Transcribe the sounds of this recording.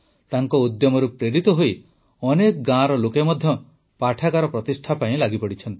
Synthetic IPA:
t̪aŋkɔud̪jɔmɔɾupɾeɾit̪ɔɦoi | ɔnekɔɡãɾɔlokemɔd̪ʱjɔ | paʈʰakaɾɔpɾɔt̪isʈʰapaĩlaɡipɔɽit͡ʃʰɔnt̪i̥

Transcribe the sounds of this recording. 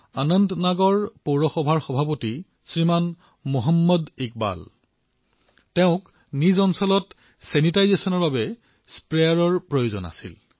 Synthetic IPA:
anɔndnaɡɔɹpoɹɔxɔbʱaɹxɔbʱapoti | sɹiman | moɦɔmːɔdik̚ba̰l | tɛʊ̃k | nizɔnsɔlɔt | sɛnitajzesɔnɔɹbabɛ | spɹejaɹɔɹpɹojozɔ̰na̰sḭl

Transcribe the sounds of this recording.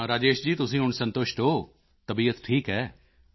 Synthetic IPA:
ɾaːd͡ʒeːʃd͡ʒiːt̪ʊsĩːɦʊɳsə̃nt̪ʊʃʈ̪ɦoː | t̪əbiːət̪ʈʰiːkɦɛː

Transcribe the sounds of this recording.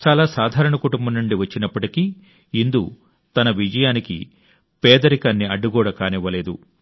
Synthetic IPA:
t͡ʃaːlaːsaːd̪ʱaːɾɐɳɐkuʈumbɐmnːuɳɖiʋɐt͡ʃːinɐpːɐʈiki | ind̪u | t̪ɐnɐʋid͡ʒɐjaːnikḭ | pɛːd̪ɐɾikaːnːiɐɖːuɡɔːɽɐkaːniʋːɐleːd̪u

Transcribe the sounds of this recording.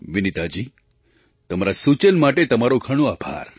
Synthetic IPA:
ʋinit̪ad͡ʑiː | t̪əmaɾasut͡ɕənmaʈet̪əmaɾokʰəɽ̃oabʱa̰ɾ

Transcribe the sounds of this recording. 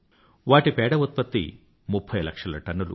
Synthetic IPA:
ʋaːʈipɛːɽɐʋut̪̚pɐt̪ːḭ | mupʰːɐjlɐkʂɐlɐʈɐnːulṵ

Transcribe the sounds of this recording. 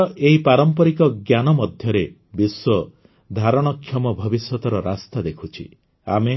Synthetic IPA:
ʔeɦipaɾɔmpɔɾikɔɡjanɔmɔd̪ʱjɔɾe | biswɔ | d̪ʱaɾɔɽ̃ɔkʰːjɔmɔbʱɔbisjɔt̪ɔɾɔɾast̪ad̪ekʰut͡ʃʰḭ | a̰me

